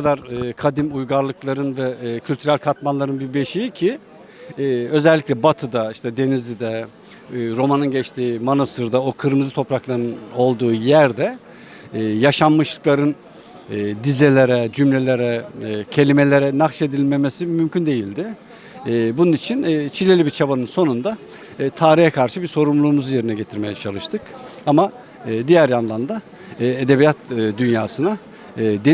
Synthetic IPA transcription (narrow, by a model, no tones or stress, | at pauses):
kʰad̪aɾɯːkʰad̪imujɡaɾlˠɯklˠaɾɯnvɛcʰylʲt̪ʰyɾælʲkʰat̪manlˠaɾɯnbibe̞ʃijicʰi | ø̞zɛlʲːiclʲɛbat̪ʰɯd̪aiʃt̪ʰɛd̪e̞nizʲid̪ɛː | ɾo̞manɯnɟɛt͡ʃt̪ʰiːmanasɯɾd̪aokʰɯɾmɯzɯt̪ʰo̞pɾaklˠaɾɯno̞lˠd̪uːjæɾd̪ɛː | jaʃammɯʃlˠɯ̥klˠaɾɯnː | d̪izelʲe̞ɾɛd͡ʒymlʲe̞lʲe̞ɾɛcʰe̞lʲime̞lʲe̞ɾɛnakʃe̞d̪ilʲme̞me̞simymcʰynd̪e̞jilʲd̪ɪ | bununit͡ʃʰint͡ʃʰilʲe̞lʲibiɾt͡ʃʰabanɯnso̞nund̪a | t̪ʰaːɾijɛkʰaɾʃɯbiɾso̞ɾumlˠuːmuzuje̞ɾinɛɟe̞t̪ʰiɾme̞jɛt͡ʃʰalˠɯʃt̪ʰɯkamaː | d̪ijæɾjand̪ˠand̪aː | ed̪e̞bijat̪ːd̪ynjaːsɯna | d̪e